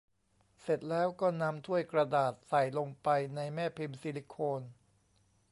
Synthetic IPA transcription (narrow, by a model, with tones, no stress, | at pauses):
se˨˩t̪̚lɛː˦˥wkɔː˥˩na˧mt̪ʰu˥˩əjkɾa˧daː˨˩t̪̚sa˨˩jlo˧ŋpa˧jna˧jmɛː˥˩pʰi˧msiː˧li˧˥kʰoː˧n